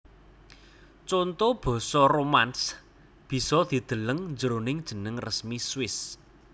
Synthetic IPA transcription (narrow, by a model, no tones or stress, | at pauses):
t͡ʃont̪ob̥ɔ̤sɔromans | b̥i̤sɔd̪̥i̤d̪̥ə̤ləŋnd͡ʒəɾonɪŋd̥ʒ̥ə̤nəŋrəsmiswɪs